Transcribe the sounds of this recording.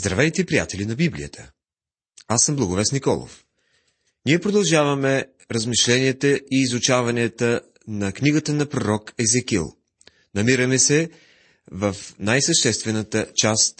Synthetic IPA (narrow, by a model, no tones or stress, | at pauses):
zd̪ɾɐvɛjt̪ɛipɾija̰t̪ɛlinɐbiblḭə̰t̪ʰə̥ | asːəmblˠɐɡʊvɛst̪nikɔ̰lˠo̰f | niɛpɾod̪ɐlˠʒavɐmɛ | ɾəzmiʃlɛniət̪əʔiːzʊt͡ʃavɐniət̪ə | nɐkniɡət̪ənɐpɾoɾɔkɛzɛkḭlˠ | nɐmiɾəmɛsɛ | vəfnajsəʃt̪ɛst̪vɛnət̪ət͡ʃast̪